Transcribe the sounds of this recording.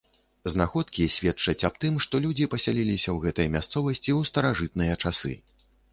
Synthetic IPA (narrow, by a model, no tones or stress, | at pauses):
znaxɔt̪kʲisʲvʲɛt͡ʂɐt͡sʲap̚t̪ɨmʂt̪ɔlʲud͡zʲipɐsʲalʲilʲisʲɐwɣɛt̪ɨjɐmʲast̪sɔvɐsʲt͡sʲiwst̪ɐɾaʐɨt̪̚nɨjɐt͡ʂasɨ̰